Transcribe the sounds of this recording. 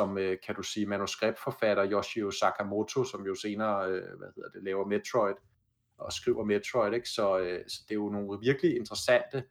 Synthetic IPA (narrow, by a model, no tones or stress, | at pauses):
ɒ̽møkʰæd̥usiːmænusɡ̥ʁeb̥̚d̥fɒ̽fæɾ̥ɐjɒɕiosɑ̈kʰæmo̝t͡sʰo̝sɒ̽mjo̝se̝ːnɐːøʋæhe̝ð̰ˠɐd̥e̝lɛːʊɐme̥t͡sʰʁɒɪd̥ | ɒ̽sɡ̥ʁiʊɐme̥t͡sʰʁɔɪɾ̥e̝ɡ̥sɒ̽øsɒ̽d̥e̝jo̝no̝ːəʋiɐɡ̥əlie̝nd̥ʁɐsæn̰d̥ə